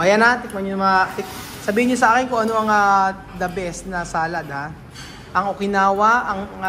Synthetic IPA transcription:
ʔɐjanat̪ɪk̚mɐɲonɐmɐŋɐt̪ɪk̚ | sɐbiːhɪnɲːosɐʔaːkɪnkoŋɐnoɐŋa | d̪ɐbɛsnɐsaːlɐd̪ha | ʔɐŋokɪnaːwɐʔɐŋ

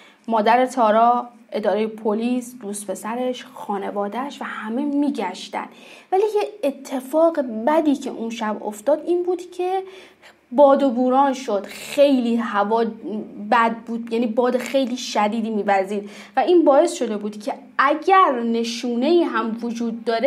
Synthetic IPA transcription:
mɒːd̪æɾe̞t̪ʰɒːɾɒː | ʔe̞d̪ɒːɾejepʰoliːsd̪̥uːst̪pʰe̞sæɾe̞ʃxɒːne̞vɒːd̪æʃvæhæme̞miːɟæʃt̪æ̰nd̪væliːjeet̪ʰːe̞fɒːɣe̞bæd̪iːcʰe̞̰ʔunʃæbo̰ft̪ɒːd̪iːnbuːd̪̥cʰe̞ | bɒːd̪obuːɾɒːnʃo̞d̪̥xe̞jliːhævɒːbæd̪̚buːd̪jæːniːbɒːd̪exe̞jliːʃæd̪iːd̪iːmiːvæɾziːd̪ | væiːnbɒːe̞sʃo̞d̪e̞buːd̪cʰe̞ | æɟæɾne̞ʃuːne̞iːɦæmvod͡ʒuːd̪̚ːɒːɾe

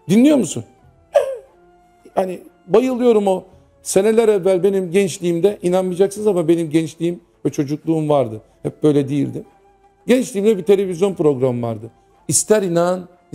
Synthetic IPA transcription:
d̪inlʲijo̞ɾmusṵn | hani | bajɯlˠɯjo̞ɾumo | se̞nelʲɛɾɛvːælʲbe̞nimɟɛnt͡ʃlʲiːmd̪ɛʔinanmɯjd͡ʒaksɯnzamabe̞nimɟɛnt͡ʃlʲijim | vɛt͡ʃʰo̞d͡ʒuklˠuːumvaɾd̪ɯ | hɛp̚b̥ø̞jlʲɛd̪ijḭlʲd̪im | ɟɛnt͡ʃlʲiːmd̪ɛbit̪ʰe̞lʲe̞vizjo̞npɾo̞ɡɾamva̰ɾd̪ɯ | ist̪ʰæɾinan

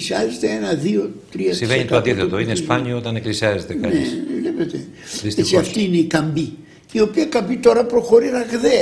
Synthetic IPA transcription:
siɐzet̪e̞enɐðio̞t̪ɾiɐsiveɲɲit̪oɐnd̪iθet̪oinespaɲioot̪ɐneklisiɐzet̪enɐneslepet̪e̞̰steɐftt̪iine̞ikɐmbi | io̞piɐkɐmbit̪o̞ɾɐpɾo̞xo̞ɾinɐɣðe

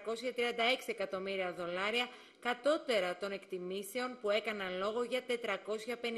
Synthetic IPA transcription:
ko̞sçɐt̪ɾiɐnd̪ɐe̞ksie̞kɐt̪o̞miɾiɐðo̞lɐɾiɐ | kɐt̪o̞t̪e̞ɾɐt̪o̞ne̞kt̪imise̞o̞npue̞kɐnɐlo̞ɣo̞ʝɐt̪e̞t̪ɾɐko̞sçɐpe̞n

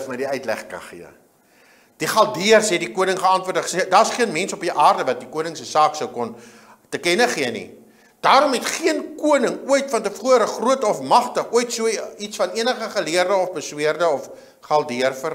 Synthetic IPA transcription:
fmədiœɥtlæ̰χkɐ̰nχḭə | d̥iχɐlˠdiərsɛt̚dikuənəŋχəɐntvuərdəχsedɑːsχiənmɛnsɔpiʔɑːrdəvɐt̚dikuənəŋsəsɑːksəwkɔn | təkɛnəχiənḭ | d̥ɑːɾɔmɦɛtχiənkuənəŋuəjtfɐntəfuəɾəχruətəɔfmɐχtəχuəjtsuəitsfɐniənəχəχəliərdəɔfbəswiərdəɔf | χɐlˠdiərfər

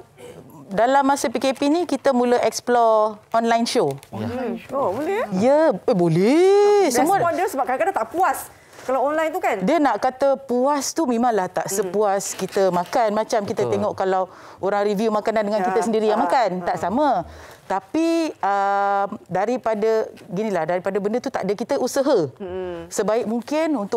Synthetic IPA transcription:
dalamːasəpikepinikit̪əmũləʔɛksplɔʔɔnlajnʃo | obolɛjəebolɛsəmuədəsəbap̚kaakad̪at̪aʔpuas | kalawɔnlajnt̪ukandiənaʔkat̪əpuast̪umẽmãŋlaht̪aʔsəpuaskit̪əmãkanmãt͡ʃamkit̪ət̪eŋɔʔkalaw | oɾaŋɾivjumakanandəŋankit̪əsəndiɾijaŋmakant̪aʔsamət̪apiəmdaɾipadəɡinĩlahdaɾipadəbəndət̪ut̪a̰ʔdəkit̪əʔusəɦə | səbaɪk̚muŋkɪnunt̪ʊ

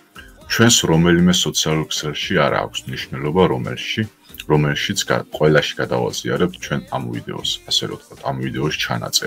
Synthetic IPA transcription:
t͡ʃʰwɛnsɾɔmɛlimɛsɔt̪sʰialˠuɾksɛlˠʃiaɾa̰ːkʷʰsmniʃnɛlɔba | ɾɔmɛlʃit̪sʰqʼwɛlaʃi̥ɡ̥ad̪a̰va̰z̥ia̰ɾɛp̚t̪̚ʰt͡ʃʰwɛnamvḭd̪ɛ̰ɔsasɛɾɔ̰t̪̚kʰwat̪ʰamvid̪ɛɔʃt͡ʃʰa̰na̰t̪sʼɛɾ

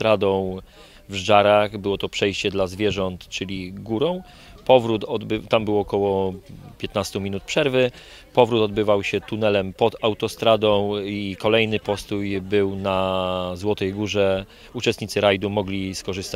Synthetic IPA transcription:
t̪ɾad̪ɔ̃w̃ | vʐʐaɾaxbɘwɔt̪ɔpʂɛjɕt͡ɕɛd̪lazvʲjɛʐɔnt̪t͡ʂɘlʲiɡuɾɔ̃w̃ | pɔvɾut̪ɔbt̪ambɘwɔkɔwɔpʲjɛt̪nast̪umʲinut̪̚pʂɛɾvɘ | pɔvɾut̪ɔd̪bɘvawɕɛt̪unɛlɛmpɔd̪awt̪ɔst̪ɾad̪ɔ̃w̃ikɔlɛjnɘpɔst̪ujbɘwnazwɔt̪ɛjɡuʐɛ | ut͡ʂɛst̪ɲit̪sɘɾajd̪umɔɡlʲiskɔʐɘst̪a

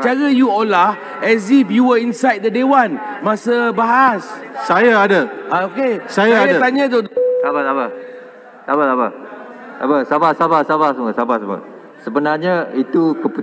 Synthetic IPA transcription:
t͡ʃaɾəjuɔlah | ɛsifjuwəinsajd̚dədewanmasəbaɦassajaadəaokesajaadat̪aɲãt̪osabasaba | sabasaba | a̰basabasabasabasmŋəsabasabə̰ | səbənaɲait̪ukəpu

